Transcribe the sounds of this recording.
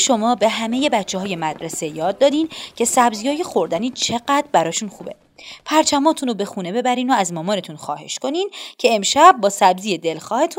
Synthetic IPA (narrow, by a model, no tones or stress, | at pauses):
ʃo̞mɒːbe̞ɦæme̞je̞bætt͡ʃʰːehɒːje̞mæd̪ɾese̞jɒːd̪̚ːɒːd̪iːncʰe̞sæbzijɒːje̞xo̞ɾd̪æniːt͡ʃʰe̞ɢæd̪̥ɾbæɾɒːʃuːnxuːbe̞̰ | pʰæɾt͡ʃʰæmɒːt̪ʰuːnobe̞xuːne̞be̞bæɾiːnoæzmɒːmɒːne̞t̪ʰunxɒ̰ːhe̞̰ʃko̞niːncʰe̞emʃæb̚ːɒːsæbziːje̞d̪e̞lxɒːhe̞t̪ʰun